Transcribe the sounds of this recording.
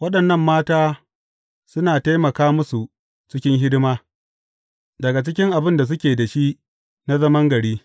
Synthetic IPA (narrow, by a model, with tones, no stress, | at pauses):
wɐ˦ɗɐ˨nːɐ˦mːaː˦taː˦ | sʊ˦naː˨ta˦jmɐ˨kaː˦mʊ˦su˨ | t͡ʃɪ˦kʲɪ˦ŋɦɪ˦dɪ˦maː˦ | dɐ˨ɡa˨t͡ʃɪ˦kʲɪ˦ŋʔa˨bɪ˦nda˨s̬ʊ˦kʲeː˨da˨ʃi˦ | na˦zɐ˦mɐ˦ŋɡɐ˨ɽiː˦